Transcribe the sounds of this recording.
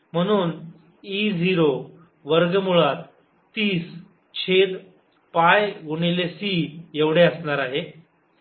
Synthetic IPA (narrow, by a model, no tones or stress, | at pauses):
m̤əɽ̃uːn | id͡zʱiɾo | ʋəɾɡəmuɭat̪ː | iːs | t͡ɕʰed̪ | pajɡuɳ̃ilesieʋɽ̤eəsɳaɾaɦe